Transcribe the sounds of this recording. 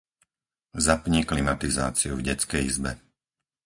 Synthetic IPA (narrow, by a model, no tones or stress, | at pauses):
zapɲiklimat̪iza̰ːt͡siuvɟɛt͡skɛjizbɛ